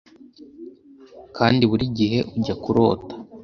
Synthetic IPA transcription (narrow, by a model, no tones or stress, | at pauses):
kʰaːndiβuɾiɟiɦe̞ʔuɟakuɾo̞ːtḁ